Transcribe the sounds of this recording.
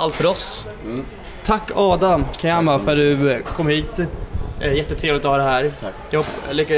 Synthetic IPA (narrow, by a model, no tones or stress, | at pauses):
ʔalt̪fœɾɔs | t̪ʰakːɑːd̪akʰajamːafœɖɵkʰɔmːhiːt̪ɛjɛt̪ːət̪ʰɾeːvlɪt̪ɔhɑːd̪ɛɦæːɾjɑlʏkːa